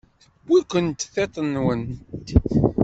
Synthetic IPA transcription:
θəb̥ːikʷənt̪θet̪ˤənːwən

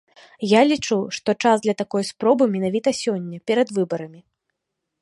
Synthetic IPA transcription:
jalʲit͡ʂuʂt̪ɔt͡ʂazd̪lʲɐt̪akɔjspɾɔbɨmʲɛnavʲit̪ɐsʲɔnʲːɐpʲɛɾɐd̪vɨbɐɾɐmʲi

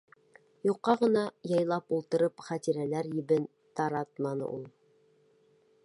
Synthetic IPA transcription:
juqːɑʁɤ̆nɑjɑjlˠɑpulˠt̪ɤ̆ɾɤpχæt̪iɾælæɾjɘ̆βɘn | t̪ɑɾɑt̪mɑnɤ̰ʔulˠ

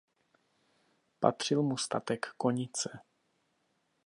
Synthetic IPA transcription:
pa̰t̪r̝̥ɪlmust̪at̪ɛkːo̞ɲɪt͡sɛ

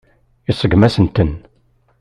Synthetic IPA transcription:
ɪsˤəɡmæsənt̪ən

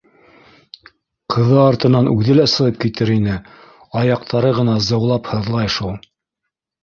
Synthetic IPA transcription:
qʰɤ̆ðɤɑɾt̪ɤ̆nɑnʉðɘlæsɤ̆ʁɤp̚kit̪ɘɾinɘ | ɑjɑqt̪ʰɑɾɤʁɤ̆nɑzɤ̆wlˠɑphɤ̆ðlˠɑjʃulˠ

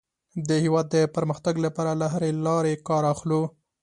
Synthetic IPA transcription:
d̪əhewɑd̪ːəpəɾməxt̪aɡlapɑɾalaɦaɾelɑɾekɑɾɑxlu

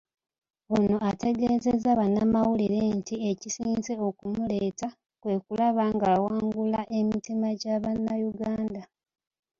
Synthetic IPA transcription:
ono̞ate̞ɡe̞ːzezaβanːamawuliɾentiecisiːnze̞o̞kumule̞ːta | kwe̞ːkulaβaːŋɡaːwaːŋɡulaʔe̞mitimaɟaβanːajuɡaːnda

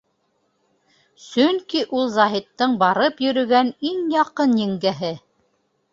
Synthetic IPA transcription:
sɵŋkiʔulˠzɑɦit̪ːɤɴbɑɾɤpjɵ̆ɾɵ̆ɡæniŋjɑqɤnjɘ̆ŋɡæɦɘ

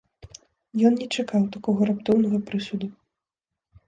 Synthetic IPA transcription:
jɔnnʲɛt͡ʂakawt̪akɔɣɐɾapt̪ɔwnɐɣɐpɾɨsʲud̪u

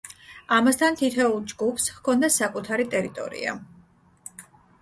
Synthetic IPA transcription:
amast̪ʰant̪ʰit̪ʰɛulˠd͡ʒɡupʰshkʰɔnd̪asakʼut̪ʰaɾit̪ʼɛɾit̪ʼɔ̰ɾḭa̰

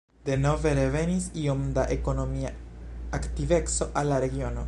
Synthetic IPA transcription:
d̥e̞no̞ve̞ɾe̞ve̞nisio̞mdaʔe̞ko̞no̞miaaktive̞kso̞ʔalːaɾe̞ɡio̞no̞

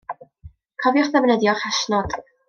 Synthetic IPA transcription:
kʰɔvjʊχðɛvnɛdjɔχaʃnɔd̥

